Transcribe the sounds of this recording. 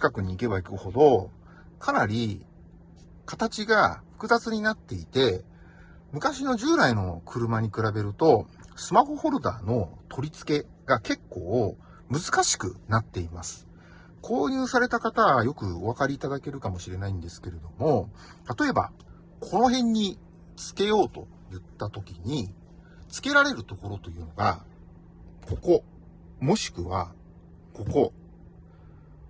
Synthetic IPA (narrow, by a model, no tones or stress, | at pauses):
t͡ɕi̥kakɯ̟ɲ̟iːke̞βaikɯ̟ho̞d̪o̞ | kʰanaɾʲi | kat̪at͡ɕiɡaɸɯ̟̥kɯ̟zat͡sɨɲ̟inat̪ːe̞it̪e̞ | mɯ̟kaɕino̞ʑɨːɾaino̞kʰɯ̟ɾɯ̟maɲ̟ikɯ̟ɾabe̞ɾɯ̟t̪o̞ | sɨmahoho̞ɾɯ̟d̪a̰ːno̞t̪ʰo̞ɾʲit͡sɨ̥ke̞ | ɡake̞kːo̞ː | mɯ̟zɨ̥kaɕi̥kɯ̟̰nat̪ːe̞imasɨ̥ | kʰo̞ːɲ̟ɨːsaɾe̞t̪akat̪aɡajo̞kɯ̟o̞β̞akaɾʲiːt̪ad̪ake̞ɾɯ̟kamo̞ɕiɾe̞naĩnd̪e̞sɨ̥ke̞ɾe̞d̪o̞mo̞ | t̪at̪o̞e̞ba̰ | kʰo̞no̞ɦẽ̞ɲ̟ːi | t͡sɨ̥ke̞jo̞ːt̪o̞̰ | jɯ̟t̪ːat̪o̞kʲiɲ̟i | t͡sɨ̥ke̞ɾaɾe̞ɾɯ̟t̪o̞ko̞ɾo̞t̪o̞jɯ̟ːno̞ɡa | ko̞ko̞ | mo̞ɕi̥kɯ̟βa | ko̞ko̞